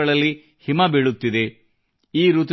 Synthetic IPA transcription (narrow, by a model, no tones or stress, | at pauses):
ɐɭɐlːi | himɐbeɭut̪ːid̪e̞ | iːɾut̪̬